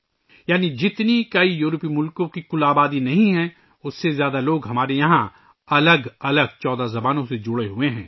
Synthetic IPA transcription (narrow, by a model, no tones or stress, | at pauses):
jaːnid͡ʒɪt̪nikɐijuːɾpimʊlkõkikʊlaːbaːd̪inɐɦĩɦɛ̃ | ʊsːezjaːd̪aloːɡɦɐmaːɾejɐɦã | ɐləɡɐləɡ̚t͡ʃɔːd̪azɐbaːnõsed͡ʒʊɽeɦʊeɦɛ̃ː